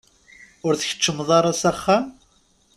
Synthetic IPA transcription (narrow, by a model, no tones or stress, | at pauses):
ʊɾθəçə̥t͡ʃːəmːðˤɑɾˤɑsæχːam